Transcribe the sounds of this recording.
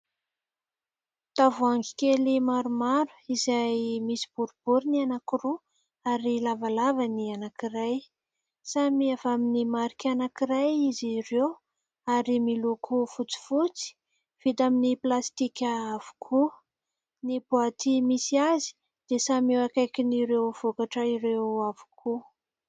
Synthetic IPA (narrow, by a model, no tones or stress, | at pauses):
t̪avuaŋɡi̥kelimaɾumaɾu̥izajmisi̥b̥uɾub̥uɾinianakiru | aɾilavalavanianakiraj | samiavaminimaɾikʲanakiɾajizirew | aɾimilukʰufut͡si̥fut͡si̥ | v̥id̪aminiplast̪ikʲaavu̥kʰu | nibuat̪imisiazi̥ | d̪̥esamewakajkiniɾewv̥okaʈ͡ʂəiɾewavu̥kʰu